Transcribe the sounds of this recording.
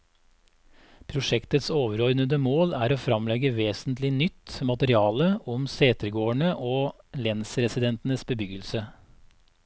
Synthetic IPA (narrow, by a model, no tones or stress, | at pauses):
pʰɾʊʂɛkt̪ət̪soːʋəɾɔʏnəd̪əmoːlæːɾoːfɾɑmlɛɡəʋeːsnt̪lɪnʏt̪ːmɑt̪əɾɪɑːləʔɔmseːt̪əɾɡoːəɳəʔoː | lɛnsəɾɛsɪd̪ɛnt̪n̩əsbəbʏɡəlsə